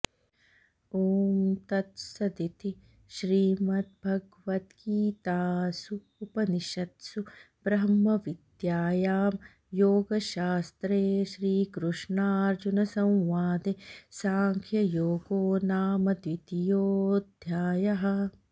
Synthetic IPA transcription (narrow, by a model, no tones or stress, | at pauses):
oːmt̪ɐt̪sɐd̪it̪i | ʃɾiːmɐt̪̚bʱɐɡ | ʋɐt̪kiːt̪aːsu | upɐniʃɐt̪su | b̥ɾɐɦɐmɐʋid̪jaːjaːm | joːɡɐʃaːst̪ɾeːʃɾiːkɾuʂɳaːɾd͡ʒunɐsɐ̃w̃ʋaːd̪esaːŋkʰjɐjoːɡoːnaːmɐd̪ʋit̪ijoːd̪ʱjaːjɐɦɐ̆